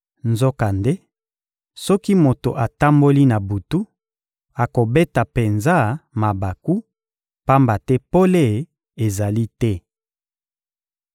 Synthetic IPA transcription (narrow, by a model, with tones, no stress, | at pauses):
nzo˦ka˨nde˦ | sɔ˦ki˦mo˨to˨ʔa˨ta˦mbo˦li˦na˨bu˨tu˦ | a˨ko˨be˦ta˨pe˨nza˦˨ma˨ba˨ku˦ | pa˦mba˨tɛ˦po˦le˦˨ | e˨za˨li˦tɛ˦